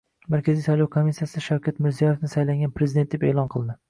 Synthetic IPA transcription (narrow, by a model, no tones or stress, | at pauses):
maɾkʲazisajlˠɒwkʰomisijasɪʃawkʲʰat̪mɪɾzijɒje̞fnɪsajlaŋʲɡʲanpɾezɪd̪e̞nt̪d̪epe̞ːlˠɒnqʰɨlˠd̪ɪ